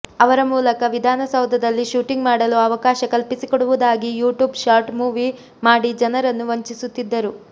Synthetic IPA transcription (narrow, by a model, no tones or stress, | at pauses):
ɐʋɐɾɐmuːlɐkɐʋid̪ʱaːnɐsɐwd̪ʱɐd̪ɐlːiʃuːʈiŋɡmaːɽɐluɐʋɐkaːʃɐkɐlpisikoɽuʋud̪aːɡijuːʈjuːbʃaːɾʈmuːʋi | maːɽid͡ʒɐnɐɾɐnːuʋɐɲt͡ʃisut̪ːid̪ːɐɾu